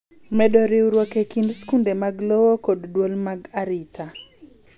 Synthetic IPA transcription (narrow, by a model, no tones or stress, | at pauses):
mɛdoɾiwɾwokekindskundemaɡlowokoddwolmaɡaɾitʰa